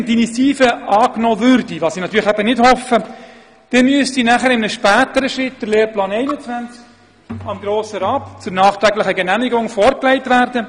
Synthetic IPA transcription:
ntinisiːfəɑːknɔːvʏɾdiʋɑːsinɑt̪yːɾləχæbənɪdhɔfə | d̥ɛmyəstinæχəɾɪmənəʃpæːt̪əɾəʃɾɪt̚d̥əɾleːɾplɑːnɛɪnət͡sʋænt͡sk | ɑmɡɾoːsəɾɑːpt͡sʊɾnɑːχt̪ɾæɡlɪχəɡɛnæmiɡʊŋfɔɾklɛɪtʋærdə

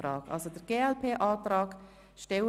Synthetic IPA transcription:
ɾɑːɡɑ̰lsod̥əɾɡ̥eːɛlpʰeːʔaːtɾɑːɡ̥ | ʃtɛl

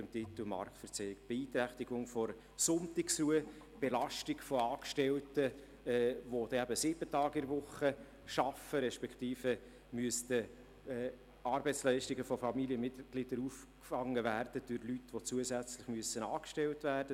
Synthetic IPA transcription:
əmtit̪əl̩mɑ̰ɾktfəɾt͡sɛikb̥ɛiːt̪ɾæχt̪iɡʊŋfɔɾ | sʊnt̪ɪksruə | b̥ɛlɑʃtiɡfɔɑːkʃtɛltə | ʋod̥ɛæbəsɪb̥ətɑːɡɪɾvʊχə | ʃɑfəɾɛʃpɛkχt̪iːfə | myəst̪ə | ɛː | ɑːɾbɛɪt͡sslœɪʃtiɡəfɔfɑmiliəmɪtɡ̥lid̥əɾuf | kfɑŋːəvæːrd̥əd̥øɾlytʋot͡suəsæt͡sləχmyəsənɑːkʃtɛltvæːɾd̥ə

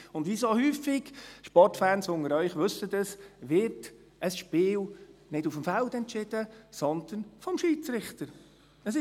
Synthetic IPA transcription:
ʊndʋisohyːfːɪɡ̥ʃpɔrtfæːnsʊŋəɾœʏχʋʏsəd̪əsʋɪrt | ʔəsʃpɪːlnɪdufəmfaldɛntt͡ʃɪd̥əsɔnd̪̥ənfɔmʃiːt͡sɾɪχt̪əɾ | əsɪ

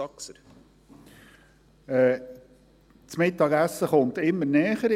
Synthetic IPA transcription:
ɑksəɾ | ɛː | t͡smɪt̪ːɑɡæsːəχʊnt̪ɪmːəɾnɛːχəɾ

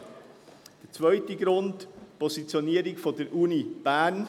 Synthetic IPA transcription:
d̥ət͡svœʏtəɡɾʊntpɔsit͡sjoniəɾɪɡfɔdəɾʔunib̥æɾn

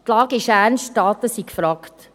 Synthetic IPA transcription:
tlɑːɡɪʃæːnstɑːt̪əsikfɾɑːkt

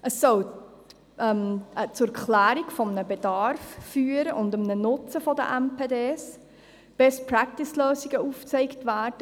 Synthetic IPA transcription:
ʔəsːɔw | ʔɛmt͡sʊkʰlæːɾikfɔmnəbedɑrfːyːəɾəʔʊndəmnənʊt͡səfɔdə̰ʔɛmpʰeːdeːs | b̥ɛspɾɑktɪsløːsiɡəuːft͡sɛɪktvæːrd̥ə

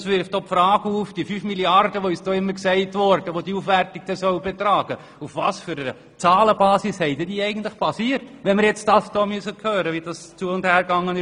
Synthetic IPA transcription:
sʋɪɾftd̥oːpfɾɑːɡuːfd̥ifyːfmiliɑrd̥əʋoysd̥oːɪmːəɾksɛɪtʋɔɾd̥əʋod̥iuːfʋɛrtik̚d̥ɛsœʊb̥ɛtɾɑːɡ̥ə | ufʋɑːsfyɾəə | t͡sɑːləbɑːsishɛɪdɛdiːɛɪɡən̩tlɪχpʰɑsiːəɾtʋɛnmɪɾjɛt͡sd̥ɑːsd̥ɔːmyəsəkʰhøːɾəʋid̥ɑst͡suəʊndhæːɾɡɑŋːənɪ

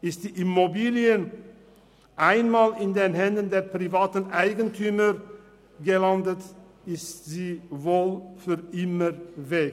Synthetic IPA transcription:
ɪst̚d̥̪iːʔɪmɔbiːlɪən | ʔaɪnmɑːlɪnd̪enhɛnd̪ənd̪eːɾpʰɾɪvɑːt̪ən̩æɪɡənt̪ʰyːməɾ | ɡəlɑnd̪ət̪ | ɪstsiːʋoːlfyɾɪməɾʋɛː

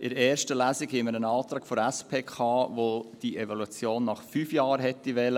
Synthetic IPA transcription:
ʔɪɾɛːɾʃtəlæːsiɡhɛməɾənɑːt̪ɾɑːɡ̥foɾɛspʰeːkʰɑːvod̥ievɔluat͡sjoːnːɑχfyːfjɑːɾɦɛtːiʋɛlə

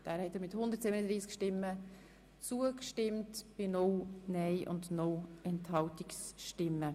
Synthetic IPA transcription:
d̥æːɾhɛtːəɾmɪthʊnd̪əɾtsɪbənədɾiːskʃtɪmːə | t͡suːəkʃtɪmtb̥ɪnownɛɪʔʊ̰ndnoɛnthɑltɪksʃtɪmːə

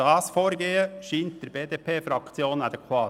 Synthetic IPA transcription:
ɑːsfoːɾɡeːəʃʏnt̪əɾbeːd̪eːpʰeːfɾɑkt̪sɪoːnɑd̪ɛkʰʋɑː

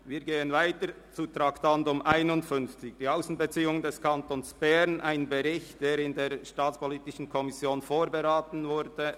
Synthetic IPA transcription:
viːɡeːənvaɪtə | t͡sutɾaktantʊmʔaɪnʊntfʏnft͡sɪçd̥iːaʊsn̩bət͡siːʊŋndɛskʰantonsb̥ɛʁnʔaɪnbəʁɪçtd̥eːɾɪndeːʁʃtaːt͡sspɔliːtɪʃn̩kʰɔmɪsjoːnfoːʁbəʁaːtn̩vʊɾdə

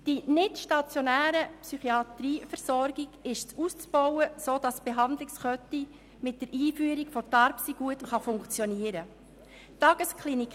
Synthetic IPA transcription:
d̥inɪtʃtɑt͡sjonæːɾəpsyχiɑtɾiːfəɾsɔɾɡiɡ̥ɪʃt͡suːst͡sb̥ɔwəsoːd̥ɑsb̥eɦɑndlɪksχœti | mɪt̚d̥əɾiːfyːɾikfɔtɑɾpsiɡ̥uətχɑfʊŋkt͡sjɔniəɾə | tɑɡ̥əskχlinik

